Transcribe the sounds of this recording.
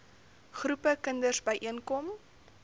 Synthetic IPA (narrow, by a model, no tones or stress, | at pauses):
χrupəkəndərsbəjʔiənkɔm